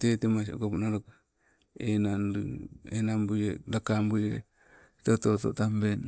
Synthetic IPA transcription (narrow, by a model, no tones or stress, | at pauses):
tetemaso̰kopnaɾok | enanɾenambujedakambuje | tototo̰tamben